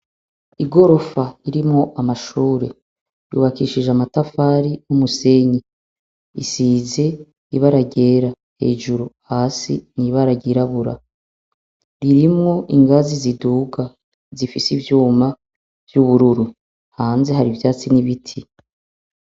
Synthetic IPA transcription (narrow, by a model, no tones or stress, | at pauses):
iɡo̞ɾo̞faiɾimŋo̞ʔamaʃuːɾe̞̰ | jṵːβakiːʃiʒeamatafaːɾijumuse̞ɲi | ḭsiːze̞ | iβaɾaɟe̞ːɾa | he̞̰ːʒuɾuhaːsḭniβaɾaɟiɾaβuɾa̰ | ɾiɾimŋo̞ʔiŋɡaziziduːɡa | zifisivjuːma | v̥juβuɾuɾu | haːnze̞ɦaɾivjaːt͡siniβitʰi